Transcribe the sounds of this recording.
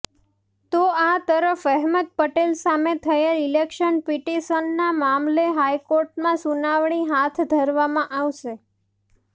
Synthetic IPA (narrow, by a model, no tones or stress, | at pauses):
t̪oat̪əɾəfɛɦməd̪̚pəʈelsamet̪ʰəelilekʃənpiʈisənːamamleɦajkoɾʈmãsunaʋɳiɦat̪ʰd̪ʱəɾʋamãʔaʋʃe